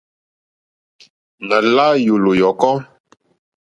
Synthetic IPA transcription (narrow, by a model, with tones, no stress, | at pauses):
na˨la˦jo˨lo˨jɔ˨kɔ˦